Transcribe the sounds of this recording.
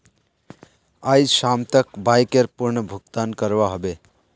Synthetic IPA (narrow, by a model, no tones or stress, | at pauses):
ajsamt̪əkbajkeɾpuɾɳəbʱuk̚t̪ankəɾʋaɦobe